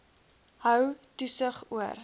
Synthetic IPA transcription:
ɦœwtusəχuər

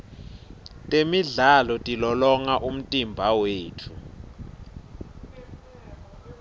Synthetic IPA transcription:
tʼemiɮalɔtʼilɔlɔŋaʔum̩tʼimbʱaweːtʰu

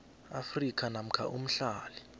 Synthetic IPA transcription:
afrikʰʼanam̩kʰa̰ʔum̩ɬaːli

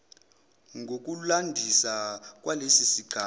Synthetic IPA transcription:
ŋɡʱok̬ʼulandʱisak̬walesisiɡʱa

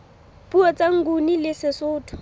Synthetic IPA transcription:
puɔt͡saŋ̩ɡunilɪsɪsʊːtʰʊ̥

